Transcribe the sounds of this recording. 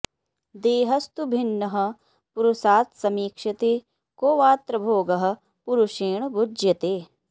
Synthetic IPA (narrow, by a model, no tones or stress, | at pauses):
d̪eːɦɐst̪ubʱinːɐɦɐ̆ | puɾusaːt̪sɐmiːkʂɐt̪eː | koːʋaːt̪ɾɐbʱoːɡɐɦɐ̆ | puɾuʃeːɳbud͡ʒjɐt̪eː